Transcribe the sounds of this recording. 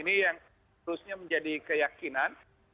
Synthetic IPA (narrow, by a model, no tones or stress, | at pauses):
inijaŋ | təɾʊsɲaməɲd͡ʒadikəjakinan